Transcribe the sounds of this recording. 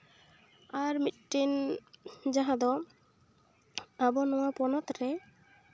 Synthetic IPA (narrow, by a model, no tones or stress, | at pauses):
aɾmit̪̚ʈin | d͡ʒaɦãd̪ɔ | abɔnɔwapɔnɔt̪ɾɛ